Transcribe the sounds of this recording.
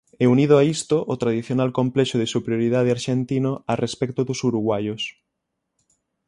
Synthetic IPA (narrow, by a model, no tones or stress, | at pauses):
ɛuniðoaist̪oʔot̪ɾaðiθjonalkomplɛʃoðɪsupɾijoɾið̞að̞eaɾʃent̪inoarespɛk̚t̪oðosuɾuɣwajos